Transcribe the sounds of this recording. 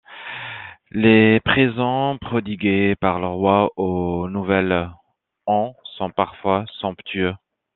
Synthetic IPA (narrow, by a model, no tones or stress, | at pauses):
lepχezɑ̃pχɔd̪iɡʲepaʁləʁwaonuvɛl | ɑ̃sɔ̃paʁfwasɔ̃pt̪ʰyø